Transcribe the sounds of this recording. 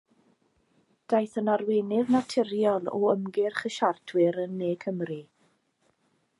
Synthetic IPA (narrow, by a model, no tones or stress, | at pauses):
d̥ajθənarweːnɪðnatʰɪrjɔlˠɔ̰əmɡɪrχəʃartʰwɪɾənːeːkʰəmri